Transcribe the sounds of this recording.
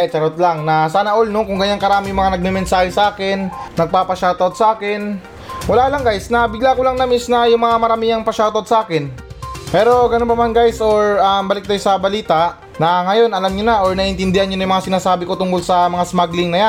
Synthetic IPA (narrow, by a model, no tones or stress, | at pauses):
t͡ʃɐɾot̪̚laŋnɐsaːnɐʔolnoŋkʊŋɡɐɲankɐɾaːmɪjʊŋmɐŋanɐɡ̚mɛmɛnsaːɾisɐʔaːkɛnːɐɡ̚paːpɐʃawt̪od̪sɐʔaːkɛn | wɐlaːlɐŋɡajsnɐbɪɡlaːkʊlaŋnɐmisnɐjʊŋmɐŋamɐɾamiːɐŋpɐʃawt̪od̪̚sɐʔaːkɪn | pɛːɾo̞ɡɐnonpɐmanɡajsʔoɹambɐlɪk̚d̪ɐjsɐbɐliːt̪aʔ | nɐŋɐjo̞nɐlamɲonɐʔoɹnɐʔɪnt̪ɪnd̪ɪhanɲonɐjʊŋmɐŋasɪnaːsaːbɪko̞t̪ʊŋkolsɐmɐŋasmaɡlɪŋnɐja